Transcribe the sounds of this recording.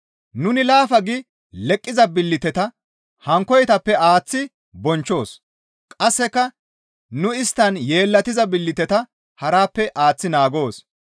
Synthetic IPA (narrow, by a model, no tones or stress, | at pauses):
nʊnɪlaːfɐɡɪ | lɛkʼːɪzɐbɪlːɪt̪ɛt̪ɐ | hɐŋkɔjt̪ɐpːɛaːt͡sːɪ | bɔnt͡ʃːo̞ːs | kʼɐsːɛkːɐ | nʊɪst̪ːɐnje̞ːlːɐt̪ɪzɐbɪlːɪt̪ɛt̪ɐ | hɐɾaːpːɛʔaːt͡sːɪnaːɡo̞ːs